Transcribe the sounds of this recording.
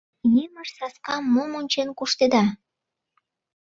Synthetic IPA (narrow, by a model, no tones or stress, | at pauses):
neməʃsɑskɑmːomonʲt͡ɕenkuʃt̪ed̪ɑ